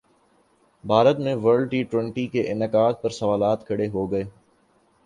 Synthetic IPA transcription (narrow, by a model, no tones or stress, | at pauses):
bʱaːɾət̪mẽʋəɾlʈiːʈwɛ̃ɳʈikeʔɪnəkaːd̪̚pɐɾsɐʋaːlaːt̪kʰɐɽeɦoɡɐeː